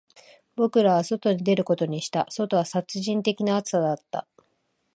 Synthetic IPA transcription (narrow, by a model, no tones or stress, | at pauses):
bo̞kɯ̟ɾaβ̞aso̞t̪o̞ɲ̟id̪e̞ɾɯ̟ko̞t̪o̞ɲ̟iɕi̥t̪aso̞t̪o̞βasat͡sɨʑĩnt̪e̞kʲinaːt͡sɨ̥sad̪at̪ːa̰